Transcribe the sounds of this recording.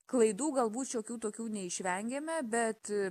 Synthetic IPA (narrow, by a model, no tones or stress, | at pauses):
klˠɐɪd̪uːɡɐlˠbuːt̪t͡ʃoːkʲuːt̪oːkʲuːnʲɛɪʃʲʋʲɛŋʲɡʲɛmʲɛbʲɛt̪